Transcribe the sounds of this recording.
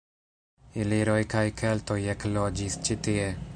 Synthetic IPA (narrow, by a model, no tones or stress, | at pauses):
iliɾo̞jkajkʰelt̪o̞jeklo̞d͡ʒist͡ʃit̪ie̞